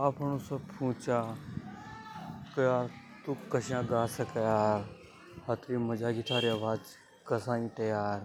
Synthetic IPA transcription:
aːpʰɐnũːsɐbpʰũːt͡ʃaː | kɐjaːɾ | t̪ukːɐʃjãːɡaːsɐkɐjaːɾ | hɐt̪ɾiːmɐd͡ʒaːɡit̪ʰaːɾiɐʋaːd͡ʒ | kɐsãːĩːt̪ɐjaːɾ

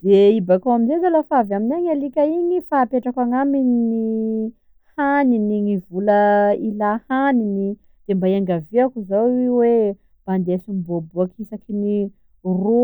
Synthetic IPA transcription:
d̪̥eibakawaminzezalafavaminaɲalikaiɲifaːpeʈ͡ʂakaŋamini | haniniŋivulailahanini | d̪̥embaiaŋɡaviakuzawiwe | b̥and̪esumibobuakisakini | ro

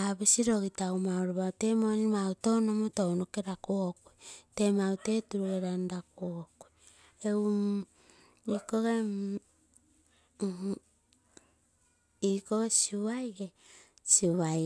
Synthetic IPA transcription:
aβisiɾo̞ɣitawmaoɾoβawtemonimawtownomotownoke̞ɾakokojtemawte̞tuɾuɡeɾandakokoj | eu | ikoɡe | ikoɣesiβajɡe | siβa

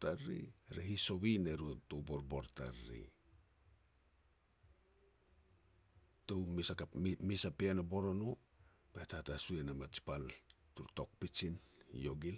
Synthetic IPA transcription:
taɾḭɾeɦiso̞βineɾutowboɾboɾta̰ɾːḭ | towmisaamisapeanobo̞ɾo̞no | b̥etahtasuenamat͡ʃi̥pal | tuɾto̞k̚pit͡ʃinjo̞ɡil

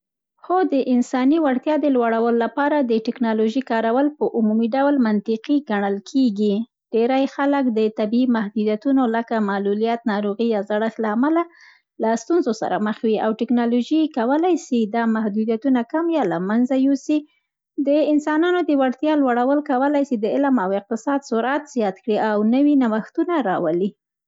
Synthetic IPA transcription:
xod̪əʔɪnsɑniwaɽt̪jɑd̪əlwaɽawəlːapɑɾad̪əʈɪknɑloʒikɑɾawəlpəʔumumiɖawlmant̪ɪqiɡaɳəlkʰeɡi | ɖ̥eɾajxaləkd̪ət̪abiːmahd̪ud̪jat̪unoləkamalulijat̪nɑɾoɣijɑzaɽəxlaːmala | last̪unzosa̰ɾa̰məxwiawʈɪknɑloʒikawəlajsid̪ɑmahd̪ud̪jat̪unakamjɑlamanzajusi | d̪əɪnsɑnɑnod̪əwaɽt̪jɑlwaɽawəlkawəlajsid̪əɪlmawɪq̚t̪ɪsɑd̪sʊɾat̪z̥jɑt̪kɽiʔawnəwinawaxt̪unaɾɑwəli

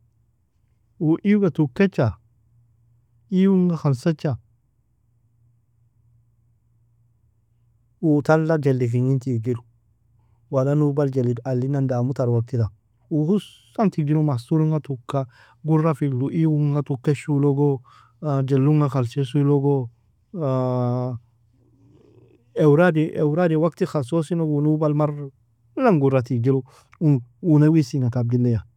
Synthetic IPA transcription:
wuʔiɡatukːet͡ʃːa | iwuŋɡaxalsat͡ʃːa | wutalːad͡ʒelːik̬iŋitikɡiɾu | walanubald͡ʒelidalːinandamutaɾwak̚tida | uhus | antiɡ̚d͡ʒiɾomasuɾuŋɡatukːa | ɡuɾafiɡluʔiwuŋatukːeʃuloɡo | d͡ʒelːuŋaxalsesuloɡo | ewɾadiʔewɾadiwaktixasosinoɡunubalmaɾ | laŋɡuɾatikd͡ʒilu | uŋunawisiŋakab̚dilːeja

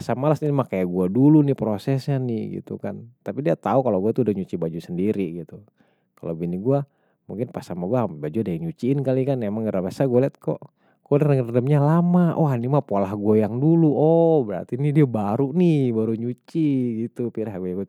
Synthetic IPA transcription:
pasamalasninmakajaɡuadulunipɾosɛsɲanɪɡḭt̪ṵka̰nt̪apidiat̪aukaloɡuat̪uːdahɲut͡ʃibad͡ʒusəndiɾiɡit̪u | kalobiniɡua | muŋkɪnpasamaɡuambad͡ʒudaiɲut͡ʃiːnkalikanemaŋɡəɾabasaɡolɛt̪̚kɔ̰ʔ | ɡ̥olɛtŋərdəmɲalamaʔɔɦanimapolahɡuajaŋduluɔhbəɾa̰rt̪inidiabaɾunibaɾuɲut͡ʃiɡit̪upiɾaɦɡujaɡua

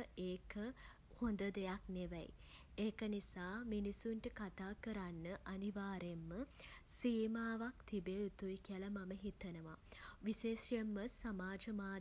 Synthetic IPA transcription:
eːkʰə | hond̪əd̪ejakneʋɛ̰j | eːkənisaːminisunʈəkat̪aːkəɾanːəʔaniʋaːɾemːəsiːmaːʋak̚t̪ibeːut̪uikiələmaməɦit̪ənəʋa̰ʋiseːsjəmːəsamaːd͡ʒəmaː

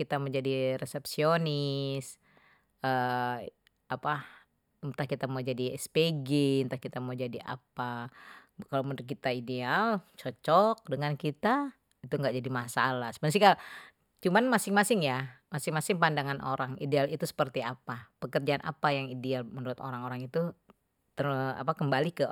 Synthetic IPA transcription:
kit̪aməɲd͡ʒadiresɛpsionɪs | ə | apa | t̪ahkit̪amad͡ʒadiɛspeɡɪnt̪ahkit̪amawd͡ʒadia̰pa | kalomənɾt̪̚kit̪aidealt͡ʃɔt͡ʃɔk̚dəŋankit̪a | it̪uŋɡaʔd͡ʒadimasalasə̥pəns̬ika | t͡ʃumanmasɪŋmasɪŋjamasɪŋmasɪŋpandaŋanʔo̰ɾaŋidealit̪usə̥pərt̪iapapəkərd͡ʒaːnʔa̰pajaŋidealmənuɾʊt̪o̰ɾaŋoɾaŋit̪u | t̪əra̰pakəmbalikə

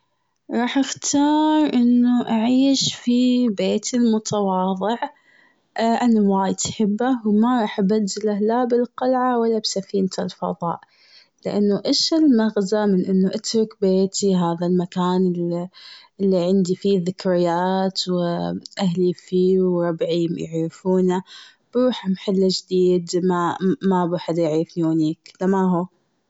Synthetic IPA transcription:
ɾˤɑːħʔɪxt̪ʰɑːɾˤʔɪnːuʔaʕiːʃfibeːt̪ɪlmʊt̪ʰɑwɑːðˤɨʕ | ʔanːawaːjt̪ħɪbːawmaɾˤɑːħʔabad̪ːɪlahlabɪlqɑlʕawalːabsafiːnt̪ɪlfɑ̰ðˤɑ̰ːʔ | lɪʔanːuʔeʃɪlmaɣzamɪnʔɪnːuʔat̪ɾˤʊkbeːt̪iɦaːðalmakaːnɪ | ʔɪlːiʕɪnd̪ifiðɪkɾɪjaːt̪wʔahlifiːwɾˤɑbʕijɪ̰ʕɾɪfuːna | b̥ɾuːħamħalːad͡ʒd̪iːd̪mamabaħad̪jaʕiɪfniwaniːklamaɦuː

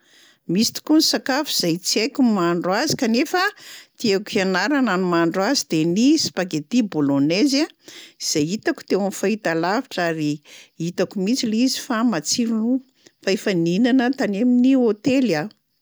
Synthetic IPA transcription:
misi̥t̪u̥kunisakafuz̥ajt͡siajkʲumaɳɖ͡ʐazi̥kanefət̪iekianaɾananumaɳɖ͡ʐazid̪enisi̥paɡet̪ibolonezaiz̥ajit̪aku̥t̪ewamifait̪alavaʈ͡ʂaɾiit̪akumit͡sileizi̥famat͡siɾunu | faefəninanət̪aneminiot̪ela

